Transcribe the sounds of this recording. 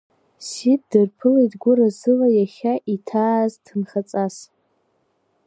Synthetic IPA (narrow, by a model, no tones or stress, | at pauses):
sit̚ʰdɨrpʰɨletɡʷʊrazɨlajaχʲaʔitʰaːztʰɨnχat͡sʼas